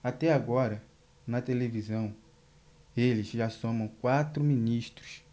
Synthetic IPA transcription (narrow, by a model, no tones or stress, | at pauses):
at̪ɛaɡɔɾɐ | nɐt̪elevizɐ̃w̃ | elɪzʒasõmɐ̃w̃kwat̪ɾʊminiʃt̪ɾʊs